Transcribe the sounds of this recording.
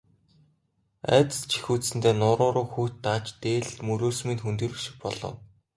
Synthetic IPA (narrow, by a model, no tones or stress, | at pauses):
æ̰ːt̪̆t͡ɕʰi̥xuːt͡ssɘ̆nt̪eːnʊːɾʊːɾʊːxuːt̪ːaːt͡ɕt̪eːɮmɵɾoːsmiːnxunt̪ĭːɾuʃɪ̥̆k̚pɔɮɞ̰̆w